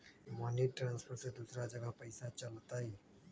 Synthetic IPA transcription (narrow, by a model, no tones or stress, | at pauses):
maːniʈʈɾãːnspʰəɾʈsed̪usɾad͡ʒəɡəpəɪsãt͡ʃɐlt̪aɦe